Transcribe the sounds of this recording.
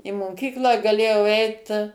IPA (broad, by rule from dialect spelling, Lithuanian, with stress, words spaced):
ɪ moːˈkʲiːklˠɑː ɡɐˈlʲeːjɛʊ ˈɛɪt